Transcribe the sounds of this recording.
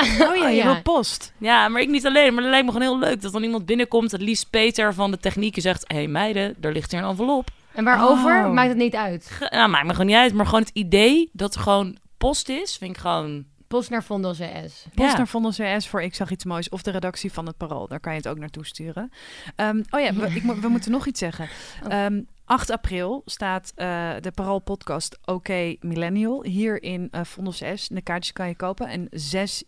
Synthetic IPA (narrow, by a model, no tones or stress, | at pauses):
ojajəɪlpɔstjaːmaːɹɪknitɑlejnmaːɹtlɛjk̚məχoonɦɪːløɥk̚dɔt̚dɑnimɑnd̚bɪnəkɔmtətlist̚pejtəɹvɑndətɛχnikjəzɛχtɦejmɛjdədaːɹlɪχtiːɹənɑnfɑlˠɔp | ɛnʋaːɹowvəɹmaːk̚tətnitœɥtjamaːkməχonitœɥtmaːɹχʋownɦətidejdɑtəɹχəʋown | pɔstɪsfɪnɪkχʋown | pɔstnaːɹfɔndoseɛ̰spɔstnaːɹfɔndɔseɛsfʊːɹɪksɑχitsmojsɔfdəredɑksifɑnət̚parɔ̰lˠdaːɹkɑnjəətowk̚naːɹtustyːrəəmowjaəɪkmʋəmutənɔχitsɛχəəm | ʔɑχtaprɪlˠstaːtədəparɔlˠpɔtkɑstʔowkejmilɛniəlˠɦiːɹɪnəfɔndosɛsdəkaːɹtə̥skɑnjəkowpənɛ̰nzɛs